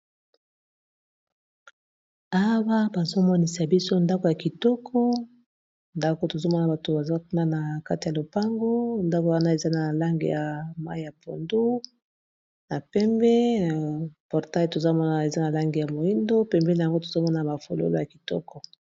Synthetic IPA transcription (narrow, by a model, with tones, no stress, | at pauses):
a˦wa˦ba˨zo˦mɔ˦ni˨sa˨bi˦so˦nda˦ko˨ja˨ki˨tɔ˦kʰɔ˦ | nda˦ko˨˦to˨zo˦mɔ˦na˨ba˨to˨ba˨za˦kna˦na˨ka˦ti˨ja˨lo˨pa˦ŋɡo˦nda˦ko˨wa˦na˦e˨za˦na˨la˦ŋɡḛ˨ja˨ma̰˦i˦ja˨pʰo˨ndu˦ | na˨pɛ˦mbɛ˦˨ | pɔ˨ʁta˦i˨to˨za˦mɔ˦na˨e˨za˦na˨la˦ŋɡe˨ja˨mo˨i˦ndo˦pɛ˦mbɛ˦n˨a˨ŋɡo˦to̥˨zo˦mɔ˦na˨ba˨fo˨lo̰˦lo˦ja˨ki˨tɔ̰˦kɔ˨